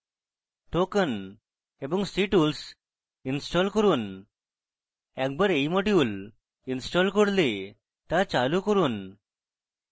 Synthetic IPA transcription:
ʈokən | ebəŋɡsiʈuːls | insʈɔlkəɾuːn | ɛk̚bəɾeimoʈ̬iul | insʈɔlkəɽle | t̪ãt͡ɕalukəɾuːn

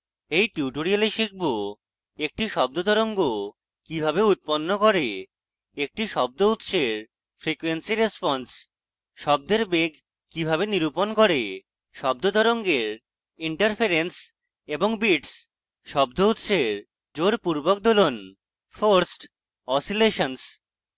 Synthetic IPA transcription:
ejʈjuʈoɾialeʃik̚bo | ek̚ʈiʃɔb̚d̪od̪ʱɔɾoŋɡo | kibʱabeut̪̚ponːokoɾe | ek̚ʈiʃɔb̚d̪out̪ʃeɾ | fɾikuwensiɾespɔns | ʃɔb̚d̪eɾbeɡ | kibʱabeniɾuponkoɾe | ʃɔb̚d̪od̪ʱɔɾoŋɡeɾ | iɳʈaɾfʰeɾens | eboŋbiʈs | ʃɔb̚d̪out̪ʃeɾ | d͡ʑoɾpuɾbok̚d̪olon | fʰoɾsʈ | ɔsileʃons

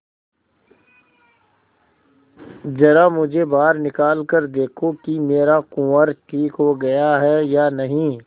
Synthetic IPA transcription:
d͡ʒɐɾamʊd͡ʒʱebaːɾnɪkaːlkəɾd̪eːkʰokimeːɾakʊəɾʈʰiːkɦoɡɐjaɦɛjanɐɦĩː

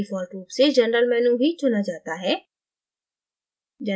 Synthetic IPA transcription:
ifɔːɾʈɾuːpsed͡ʒɐnɾəlmɛːnubʱit͡ʃʰʊnad͡ʒaːt̪aɦɛː | d͡ʒɐ

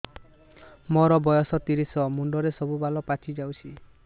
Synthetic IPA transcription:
mɔɾɔbɔjɔsɔt̪iɾisɔmuɳɖɔɾesɔbubalɔpat͡ʃʰid͡ʒawt͡ʃʰi

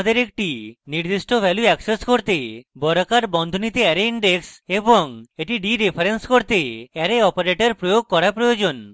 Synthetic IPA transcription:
d̪eɾek̚ʈiniɾd̪isʈobʱɛljuɛkseskoɾt̪ebɔɾakaɾbɔnd̪ʱonit̪eɛɾeiɳɖekseboŋeʈiɖiɾepʰaɾenskoɾt̪eɛɾeɔpaɾeʈeɾpɾojoɡ̚kɔɾapɾojod͡ʒon

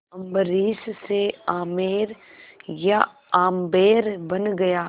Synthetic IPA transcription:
ɐ̃mbəɾiːsseaːmeːɾ | ja | aːmbeːɾbɐnɡɐjaː

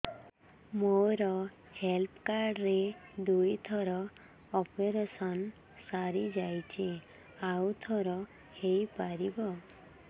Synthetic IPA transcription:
moɾɔ | helpkaɾɖɾed̪ujt̪ʰɔɾɔ | ɔpeɾesɔn | saɾid͡ʒajt͡ʃʰi | awt̪ʰɔɾɔ | hejpaɾibɔ

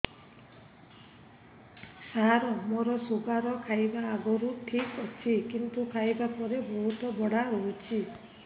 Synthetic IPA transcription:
saɾɔmoɾɔsoɡaɾɔkʰajbaːɡɔɾuʈʰikɔt͡ʃʰikint̪ukʰajbapɔɾebɔɦut̪ɔbɔɽaɾɔɦut͡ʃʰi

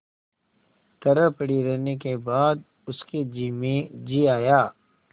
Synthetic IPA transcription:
t̪ɐɾəpəɽiɾɛɦnekebaːd̪ | ʊskid͡ʒiːmẽd͡ʒiːaːjaː

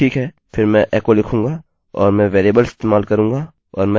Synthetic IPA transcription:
iːkɦɛː | pʰɪɾmɛ̃ʔɛːkolɪkʰũːŋɡaː | ɔːɾmɛ̃ʋeːɾeːbəlɪst̪eːmaːlkɐɾũːŋɡaː | ɔːɾmɛ̃

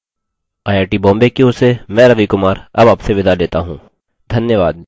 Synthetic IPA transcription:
aːjaːʈibɔ̃ːmbekeʊsemɛ̃ːɾɐʋikʊmaːɾɐbaːpseʋɪd̪aleːt̪aɦũː | d̪ʱɐnjəʋaːd̪̚

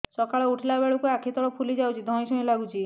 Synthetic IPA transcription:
sɔkaɭɔuʈʰilabeɭukuakʰit̪ɔɭɔpʰulid͡ʒawt͡ʃʰid̪ʱɔ̃isũĩlaɡut͡ʃʰi

